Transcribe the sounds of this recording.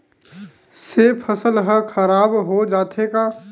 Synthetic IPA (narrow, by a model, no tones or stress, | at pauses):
sepʰəsəlɦəkʰəɾaːbɦod͡ʒaːt̪ʰeka